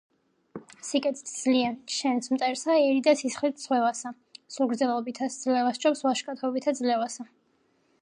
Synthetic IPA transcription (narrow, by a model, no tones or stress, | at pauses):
sikʼɛt̪t̪ʰd̪z̥liɛʃɛnsmt̪sʼɛɾsaɛɾid̪asisχlit̪ʰsʁwɛvasa | suɾɡɾd̪zɛlˠɔbit̪ʰasd̪zlɛvast͡ʃʰʼɔpsvaʃkʼat̪ʰɔbit̪ʰad̪zlɛvasa